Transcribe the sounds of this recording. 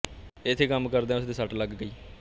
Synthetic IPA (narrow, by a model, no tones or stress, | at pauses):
ɪt̪ʰːeːkəmkəɾd̪ẽɛʊsd̪iːsəʈləɡːəiː